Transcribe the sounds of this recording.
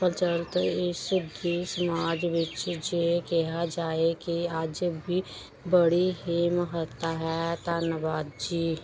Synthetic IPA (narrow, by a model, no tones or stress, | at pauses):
pəɾt͡ʃəlt̪ɪsd̪isəmaːd͡ʒʋɪt͡ʃd͡ʒekɛɦad͡ʒaːekiaːd͡ʒəbʱi | bəɽiɦimɦət̪aɦɛt̪aːnəʋaːd̪d͡ʒiː